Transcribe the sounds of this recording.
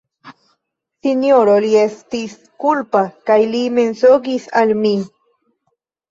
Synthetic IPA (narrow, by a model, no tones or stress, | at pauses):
sinjoɾoliest̪is | kulpakajlime̞nsoɡisalmi